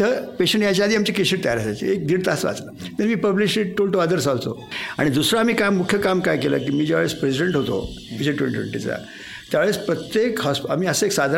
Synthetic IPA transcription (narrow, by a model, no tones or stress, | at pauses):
t̪əpeɕəɳʈjat͡ɕjaːd̪ʱiːamt͡ɕekeɕiʈt̪əja̰ɾəsat͡ɕḭek̚d̪iːɽt̪at͡sʋa̰t͡slə | t̪əɾmiːpəblisiʈʈolʈoəd̪əɾsalt͡so̰a̰ɽ̃id̪usɾaːmiːkamukʰjəkamkajkelə̰ːkiːmiːd͡ʑjaʋeɭespɾesiɖeɳʈɦot̪o̰id͡ʑeʈwḛɳ̃iʈʋḛɳʈit͡sa̰ | t̪jaʋeɭespɾət̪jekɦɔsa̰miːəsəeksad̪ʱa